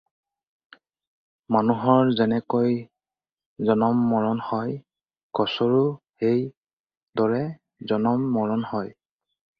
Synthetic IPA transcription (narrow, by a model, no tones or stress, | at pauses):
manuɦɔɹzɛnɛkoj | zɔnɔmːɔɹɔnhɔj | ɡ̥ɔsɔɹu | ej | dɔɹɛ | zɔnɔmːɔɹɔnhɔj